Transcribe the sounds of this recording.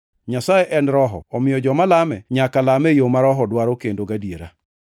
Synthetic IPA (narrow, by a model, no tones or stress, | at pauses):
ɲasajeʔɛnɾɔɦɔ̰ɔmɪjɔd͡ʒɔmalamɛɲakalamɛjomaɾɔɦɔdwaɾokendoɡadieɾa̰